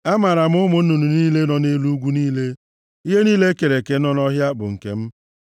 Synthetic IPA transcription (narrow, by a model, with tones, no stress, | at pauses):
a˦ma˨ɾa˨m̩˦ʊ˦mʊ˦n̩˦nu˨nu˨niː˦le˦nɔ˨ne˦lu˦ɡʷu˦niː˦le˦ | i˦ɦe˦niː˦le˦ke˨ɾe˨ke˨nɔ˦nɔ˦ɦja˦bʊ̰˨ŋ̩˨kḛ˨m̩˦